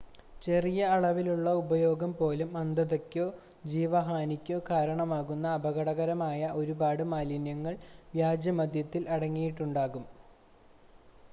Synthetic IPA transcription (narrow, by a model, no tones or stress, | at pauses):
t͡ɕe̞rijɐːɭɐʋiluɭːɐubɐjo̞ːɡɐmpo̞ːlumɐnd̪ɐðɐkʲːo̞ː | d͡ʑiːʋɐɦaːnikʲːo̞ːkaːɾɐɳɐmaːɣunːɐːbɐɣɐɽɐɣɐɾɐmaːjɐʔo̞ɾubaːɽɨmaːlinjɐŋːɐɭʋjaːd͡ʑjɐmɐd̪jɐt̪ːilʔɐɽɐŋːijiʈːuɳɖaːɣum